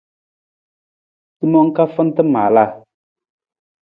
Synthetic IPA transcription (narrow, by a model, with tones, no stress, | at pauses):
ti˦mɔ˦ŋ˦ka˦fə˦n˦tə˦ma̰ː˨la˦˨